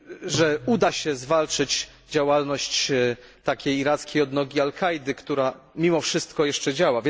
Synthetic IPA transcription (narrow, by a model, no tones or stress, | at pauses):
ʐɛud̪aɕɛzvalt͡ʂɘt͡ɕ | d͡ʑawalnɔɕt͡ɕt̪akʲejiɾat̪skʲejɔd̪nɔɡʲialkʰajd̪ɘkt̪uɾamʲimɔfʂɘst̪kɔjɛʂt͡ʂɛd͡ʑawavʲj